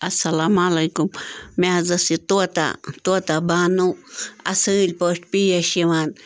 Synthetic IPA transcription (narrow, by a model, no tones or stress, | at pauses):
asalamalajkummazasit̪uat̪a̰t̪uat̪abanuasɨlʲpoʃpijaʃiwan